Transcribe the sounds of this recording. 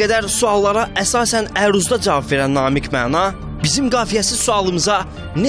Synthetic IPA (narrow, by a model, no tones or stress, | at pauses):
æd̪æɾsuɑlˠːɑɾɑʔæsɑːsænæɾuzd̪ɑd͡ʒɑvɑbve̞ɾænːɑːmikʰmænɑ | bizimɡɑːfijæsiz̥suɑlˠɯmɯzɑ | n